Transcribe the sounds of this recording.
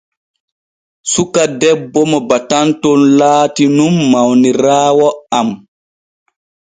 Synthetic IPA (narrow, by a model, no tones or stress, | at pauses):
sukadɛbːɔmɔbatantonlaːtinumːawniɾaːwɔam